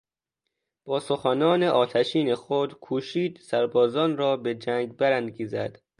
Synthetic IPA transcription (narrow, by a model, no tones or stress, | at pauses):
b̥ɒːsoxænɒːneʔɒːt̪ʰæʃiːnexod̪kʰuːʃiːd̪sæɾbɒːzɒːnrɒːbed͡ʒæŋɡbæɾænɡiːzæd̪̥